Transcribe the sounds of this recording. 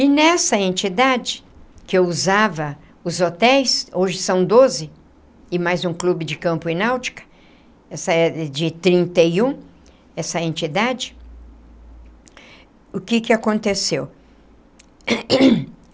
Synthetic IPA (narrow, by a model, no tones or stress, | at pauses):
ɪnɛsɐẽnt͡ʃid̪ad͡ʒɪkɪewuzavɐ | ʊzot̪ɛjsoʒɪsɐ̃w̃d̪ozɪ | ɪmajzũklubɪd͡ʒɪkɐ̃mpʊɪ̃nawt͡ʃi̥kɐ̥ | ɛsɐɛd͡ʒɪt̪ɾĩnt̪ɐjũ | ɛsɐẽnt͡ʃid̪ad͡ʒɪ | ʊkɪkɪakõnt̪esew